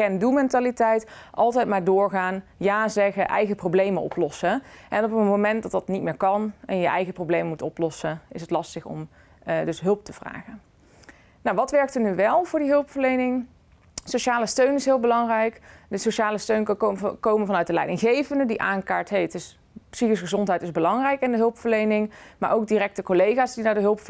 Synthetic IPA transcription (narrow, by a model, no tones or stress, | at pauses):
ɛndulmɛntaːlitɛjtʔɑlˠtɛjtmaːɹdʊːɹχaːnjaːzɛɣəʔɛ̰jɣəprowblejmənɔ̰plɔsəʔɛnɔpənmomɛnt̚dɑtdɑtnit̚mɪːɹkɑnɛnjəʔɛjɣəprowblejməmutɔplɔsəɪsətlɑstəχɔ̰m | dɵsɦɵlˠp̚təv̥ra̰ːχə | nawʋɑtʋɛɹk̚tənyʋɛlˠv̥ʊːɹdiɦɵlˠpfəɹlejnɪŋ | sowʃaːləstøɥnɪsɦɪːlˠbəlɑŋrɛjkdəsoʃaːləstøɥnkowmənvɑnœɥt̚dəlɛ̰jdɪŋχejvəndədiʔaːnkaːɹtɦejtɪs | psiχɪsχəzɔntɦɛjtɪzbəlɑŋrɛjkɪndəɦɵlˠpfəɹlejnɪŋmaːɹʔowk̚dirɛk̚təkolejχaːzdidaːɹdəɦɵlˠpf